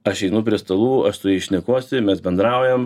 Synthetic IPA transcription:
ɐʃɛɪnʊpʲɾʲiɛst̪ɐlˠuːɐʃsʊɛɪʃʲnʲɛkuɔsʲɪmʲɛsbʲɛnd̪ɾɐʊjɛm

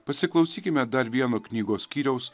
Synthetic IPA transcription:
pɐsʲɪklˠɐʊsʲiːkʲɪmʲɛd̪ɐɾʋʲiɛnoːknʲiːɡoːsʲkʲiːɾʲɛʊs

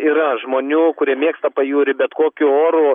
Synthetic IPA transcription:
iːɾɐʒmoːnʲuːkʊɾʲiɛmʲeɛkst̪ɐpɐjuːɾʲɪbʲɛt̪koːkʲʊoːɾʊ

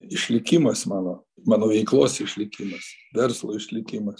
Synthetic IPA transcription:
ɪʃʲlʲɪkʲɪmɐsmɑːnoː | mɑːnoːʋʲɛɪklˠoːsɪʃʲlʲɪkʲɪmɐsʋʲɛrslˠoːɪʃʲlʲɪkʲɪmɐs

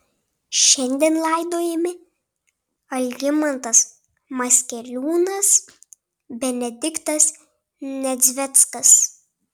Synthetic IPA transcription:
ʃʲɛnʲd̪ʲeːnlˠɐˑɪd̪oːjɛmʲɪ | ɐlʲɡʲɪmɐnt̪ɐs | mɐsʲkʲɛlʲuːnɐs | bʲɛnʲɛd̪ʲɪkt̪ɐs | nʲɛd̪zʲʋʲɛt̪skɐs

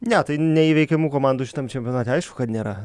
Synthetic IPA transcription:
nʲɛt̪ɐɪnʲɛiːʋʲɛɪkʲɛmuːkoːmɑːnd̪uːʃʲɪ̥t̪ɐmt͡ʃʲɛmʲpʲjonɑːt̪ʲɛɐɪʃkʊkɐt̪nʲeːɾɐ

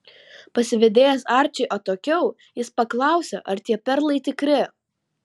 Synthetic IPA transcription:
pɐsʲɪʋʲɛd̪ʲeːjɛsɐˑɾʲt͡ʃʲɛɪʔoːt̪oːkʲɛʊ | jɪspɐklˠɐˑʊsʲɛ̰ʔɐɾt̪ʲiɛpʲɛɾlˠɐɪt̪ʲɪkɾʲɪ

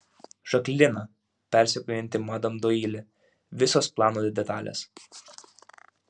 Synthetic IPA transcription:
ʒ̥ɐklʲɪnɐ | pʲɛˑɾʲsʲɛkɔːjɪnʲt̪ʲɪmɑd̪ɐmd̪oːiːlʲɛ | ʋʲɪsoːsplˠɑːnoːd̪ʲɛt̪ɑːlʲḛs

